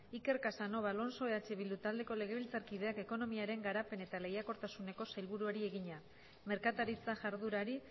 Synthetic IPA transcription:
ike̞ɾkasano̞βalo̞nso̞eat͡ʃe̞βild̪ut̪ald̪e̞ko̞le̞ɣ̞e̞βilt͡saɾkið̞e̞ake̞ko̞no̞miaɾe̞ŋɡaɾape̞ne̞t̪ale̞jako̞ɾt̪asune̞ko̞sajlβuɾuaɾie̞ɣiɲa | me̞ɾkat̪aɾit͡saʝaɾðuɾaɾi

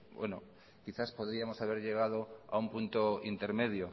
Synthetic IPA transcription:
bwḛno̰ | kiθaspoð̞ɾiamo̞saβ̞e̞ɾʎe̞ɣ̞að̞oa̰umpunt̪oint̪e̞ɾme̞ð̞jo

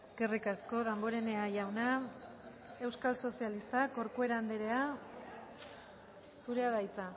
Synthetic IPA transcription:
ɡ̥erikasko̞ðamboɾe̞ne̞ajawna | e̞wskalso̞sialist̪ako̞ɾkue̞ɾaːnd̪eɾe̞a | suɾe̞aðajt͡sa

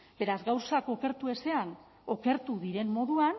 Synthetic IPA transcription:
be̞ɾazɡawsako̞ke̞ɾt̪ue̞se̞an | o̞ke̞ɾt̪uðiɾe̞mmo̞ðuan

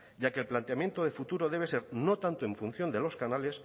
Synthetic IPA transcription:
ɟ͡ʝakelplant̪eamje̞nt̪oð̞e̞fut̪uɾoðe̞β̞e̞se̞ɾno̞t̪ant̪o̞ẽ̞ɱfun̟θjo̞nd̪e̞lo̞skanale̞s

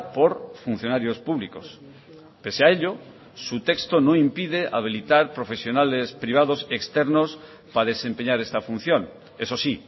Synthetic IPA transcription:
poɾfun̟θjonaɾjospuβlikos | peseaeʎo | sut̪ekst̪onõŋimpið̞eʔaβ̞ilit̪aɾpɾofesjonalespɾiβ̞aðosekst̪eɾnos | paðesẽmpeɲaɾest̪afun̟θjoŋ | esosi

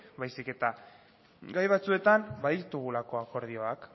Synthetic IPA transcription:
bajsike̞t̪a | ɡajβat͡sue̞t̪anbaðiɾt̪uɣ̞ulako̞ako̞ɾðio̞ak

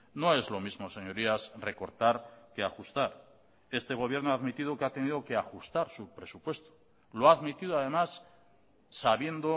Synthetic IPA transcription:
no̞e̞zlo̞mizmo̞se̞ɲo̞ɾiasre̞ko̞ɾt̪aɾke̞axust̪aɾ | e̞st̪e̞ɣ̞o̞β̞je̞ɾnoaðmit̪iðokeat̪e̞niðoke̞axust̪aɾsupɾesupwe̞st̪o̥ | loaːðmit̪iðoaðe̞masː | aβje̞nd̪o

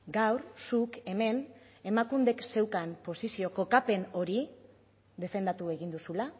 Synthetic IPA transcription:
ɡawɾsuke̞me̞n | e̞makund̪e̞kse̞wkampo̞sisio̞ko̞kape̞no̞ɾi | ðe̞fe̞nd̪at̪ue̞ɣind̪usula

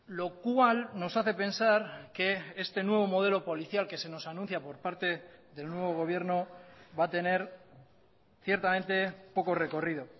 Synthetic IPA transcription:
lo̞kwalno̞saθe̞pe̞nsaɾke̞est̪e̞nwe̞β̞o̞mo̞ð̞e̞lo̞po̞liθjalke̞se̞no̞sanũnθjapo̞ɾpaɾt̪e̞ðe̞lnwe̞βo̞ɣ̞o̞β̞je̞ɾno̞βat̪e̞ne̞ɾ | θje̞ɾt̪amẽ̞nt̪e̞po̞ko̞re̞ko̞riðo̞

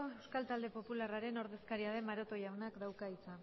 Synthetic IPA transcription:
oewskalt̪ald̪e̞po̞pularaɾe̞no̞ɾðe̞skaɾiað̞e̞maɾo̞t̪o̞jawnakd̪awkait͡sa

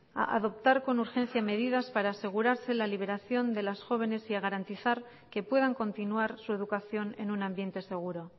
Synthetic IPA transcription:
a̰ʔa̰ðo̞p̚t̪aɾko̞nuɾxe̞n̟θjame̞ð̞ið̞aspaɾaːse̞ɣ̞uɾaɾse̞laliβ̞e̞ɾaθjo̞nd̪e̞lasxo̞β̞e̞ne̞siaɣ̞aɾant̪iθaɾ | ke̞pwe̞ð̞aŋko̞nt̪inuaɾsue̞ð̞ukaθjo̞ne̞̰nunãmbje̞nt̪e̞se̞ɣ̞uɾo̞

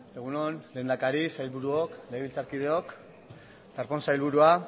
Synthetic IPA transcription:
d̪eɣunonle̞ːnd̪akaɾisajlβuɾuokleβilt͡saɾkið̞e̞o̞k | t̪aɾpo̞nsajlβuɾua

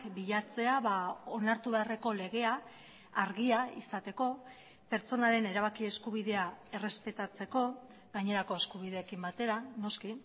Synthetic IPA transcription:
kbiʎat͡se̞aβao̞naɾt̪uβe̞are̞ko̞le̞ɣ̞e̞aː | ɾɣiaisat̪e̞ko̞ | pe̞ɾt͡so̞naɾe̞ne̞ɾaβ̞akie̞skuβ̞iðe̞ae̞re̞spe̞t̪at͡se̞ko̞ | ɣaɲe̞ɾako̞e̞skuβ̞ið̞e̞ːkimbat̪e̞ɾano̞ski

